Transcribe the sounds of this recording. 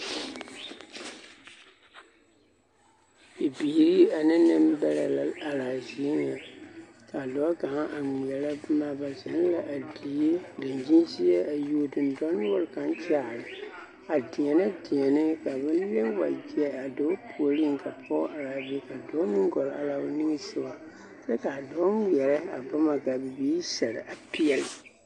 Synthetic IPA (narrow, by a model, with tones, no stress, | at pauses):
i˨biː˨ɾi˦a˨nɨ˦nɨ˦mbɛ˦la̰˨a˨laː˨zi˨˦e˦nɪ˨a˨ | ka˨dɔ˨˦ɡa˨ŋa˦ʔa˨ŋi˨ɛ˨la˦maː˨ba˨zɛ˨˦n˦la˨ʔa˨di˨e˦dɨ˨nd͡ʒi˦nsɪ˦ɛ˦a˨ju˨˦˨dɨ˨n˨dɔ˦nʊ˦wɔ˦lka˨nt͡ʃaː˨ɾɨ˨ | a˨di˨ɛ˨na˦di˨ɛ˨nɨ˦ka˨bɨ˦n˦le˦mwa̰˨d͡ʒi˦ɛ˦a˨do˨˦pʰu˨o˨li˦ŋ˨ka˨pʰɔ˦ʔa˨la˨bɛ˦ka˨dɔ˦nɨ˦ŋ˦ɡɔ˨la̰˨la˨ʊ˦nɨ˦ŋɨ˦sɨ˦ba˨ | sɛ˦ka˨dɔ˦˨ɛ˨la˦a̰˨ba˦ma˨ka˨bɨ˨biː˦sa˨ɾɪ̰˨ʔa˨pi˦ɛ˨lɪ˨